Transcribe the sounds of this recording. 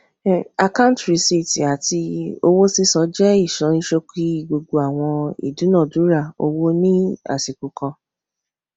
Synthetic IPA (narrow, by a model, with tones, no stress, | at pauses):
a˧kã˦tɾi˨si˦˨ti˨a˨ti˧o˧wo˦si˦sɔ˨˧˦d͡ʒɛ˦i˦˨ʃã˨˦ĩ˦ʃo˧ki˦ɡ͡bo˧ɡ͡bo˧a˦˨w̃ɔ̃˧ḭ˨du˨˦nã˦˨du˨˦ɾa˦˨o̰˧wo˦nĩ˦a̰˦˨ti˨ku˨˧kɔ̃˧